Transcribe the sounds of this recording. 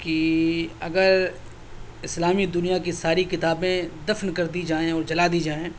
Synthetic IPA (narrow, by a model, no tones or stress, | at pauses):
kiɐ̰ɡəɾ | ɪslaːmid̪ʊnijakisaːɾikɪt̪aːbẽd̪ɐfnkɐɾd̪id͡ʒaːẽɔːɾd͡ʒɐlaːd̪iːd͡ʒaːẽː